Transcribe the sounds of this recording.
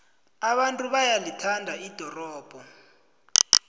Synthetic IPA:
aɓantʼuɓajalitʰandʱaid̥ʱɔrɔːb̥ʱɔ

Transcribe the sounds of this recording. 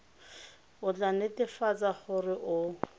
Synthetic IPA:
ʊt͡ɬanɪtʼɪfat͡sʼaχʊrɪʔʊ

